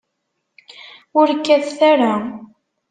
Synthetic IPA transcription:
ʊɾkːæðθæɾa

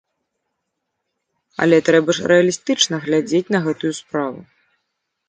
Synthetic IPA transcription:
ɐ̰lʲɛt̪ɾɛbɐʂrɛɐlʲist̪ɨt͡ʂnɐɣlʲad͡zʲet͡sʲnɐɣɛt̪ujuspɾavṵ

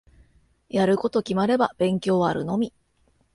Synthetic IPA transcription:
jaɾɯ̟ko̞t̪o̞kʲimaɾe̞bab̥ẽ̞ŋkʲo̞ːβaːɾɯ̟̰no̞mʲi

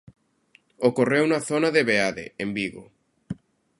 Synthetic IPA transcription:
okorewnɐθonaðeβeaðḛembiɣo̰

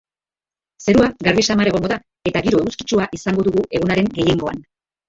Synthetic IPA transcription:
se̞ɾuaɡaɾβisamaɾe̞ɣo̞ŋɡo̞ða | e̞t̪aɣiɾo̞euski̥t͡ʃuaʔisaŋɡo̞ðuɣuʔe̞ɣ̞unaɾe̞ŋɡe̞je̞ŋɡo̞a̰n

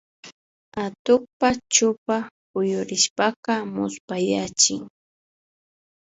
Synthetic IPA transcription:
at̪ʊk̚pat͡ʃʊpa | ʊjʊɾɪʃpaqɑmʊspajat͡ʃɪŋ

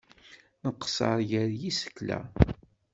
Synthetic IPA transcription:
nəqə̥sə̰ɾˤʝəɾjisə̥kːlæ̰

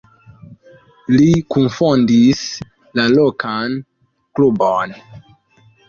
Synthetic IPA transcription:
likunfɔndis | lalokan | klubɔn

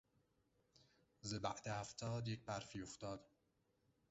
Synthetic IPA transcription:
zebæ̰ʔd̪ehæft̪ʰɒːd̪jec̚bæɾfiːoft̪ɒːd̪̥

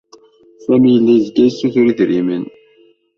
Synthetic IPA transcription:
sæmijəlːæzɡæjsuθʊɾiðɾimən

